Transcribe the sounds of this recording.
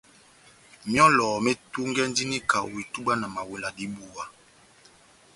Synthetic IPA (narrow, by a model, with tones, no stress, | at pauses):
mjɔ˦lɔ˨mɛ˦tu˦ŋɡɛ˦n˦di˦ni˦ka̰˨i˨tu˦ɓa˦na˨ma˨we˨la˨di˨˦bu˨wa˨